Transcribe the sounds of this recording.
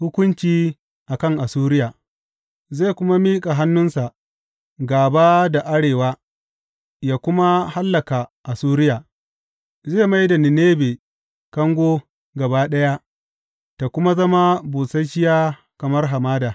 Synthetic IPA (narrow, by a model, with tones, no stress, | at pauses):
hʊ˦kʷʊ˦nt͡ʃiː˦ | ʔa˨kɐ˦˨ŋʔa˨suː˦ɾɪ˦jaː˨ | ze˦˨kʷʊ˦ma˦miː˦kʼa˨ɦa˦nːʊ˦nsa˨ʔ | ɡaː˨baː˦da˨ʔa˦ɽeː˨waː˦ | jaː˦kʷʊ˦ma˦ha˦lːɐ˨ka˨ʔa˨suː˦ɾɪ˦jaː˨ | zeː˦˨ma˦jda˨nɪ˨neː˦beː˨ | kɐ˦ŋɡʷoː˦ | ɡɐ˨baː˦ɗɐ˦ja˦ | ta˨kʷʊ˦ma˦zɐ˦ma˦buː˨sa˦jʃɪ˦jaː˦ | kɐ˨mɐ˦rɦa˨maː˦daː˨